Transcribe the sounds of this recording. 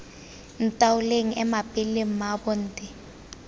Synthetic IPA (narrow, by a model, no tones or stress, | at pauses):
n̩tʼawʊleŋ̩ɛmapʼɪleŋ̩mabɔn̩ːtʼɪ